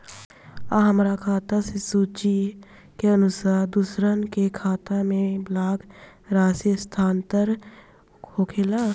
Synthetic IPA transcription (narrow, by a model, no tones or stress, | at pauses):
aɦəmɾakʰaːt̪asesuːt͡ʃi | keənʊsaːɾd̪ʊsɾənkekʰaːt̪amẽblaːɡ | ɾaːsist̪ʰaːnt̪əɾʰ | oːkʰeːlaː